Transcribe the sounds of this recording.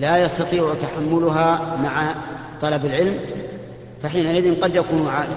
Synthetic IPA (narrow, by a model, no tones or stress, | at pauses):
laːjɑst̪ɑt̪ˤiːʕt̪aħamːʊlʊɦaːmaʕat̪ˤɑlɑbalʕɪlm | faħiːnaʔɪðɪnqɑd̪jakuːnaʕaː